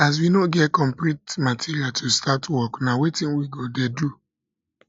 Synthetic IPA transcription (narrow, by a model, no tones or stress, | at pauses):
as̬winoɡɛtkɔ̃mplitmatʰiɹiatʰustatwɔknawetĩnwiɡodedu